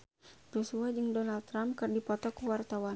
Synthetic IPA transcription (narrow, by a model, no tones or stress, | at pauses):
d͡ʒusuad͡ʒɨŋdɔnald̪t̪ːɾampkɨrdipɔt̪ɔkuwart̪awa